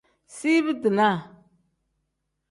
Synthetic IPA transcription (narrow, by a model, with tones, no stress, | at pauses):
si˦βə˦dɨ˨na˦˨